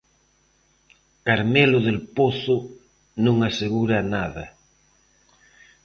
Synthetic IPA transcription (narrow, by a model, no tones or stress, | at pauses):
kaɾmeloðelpoθʊ | nõŋaseɣuɾanaða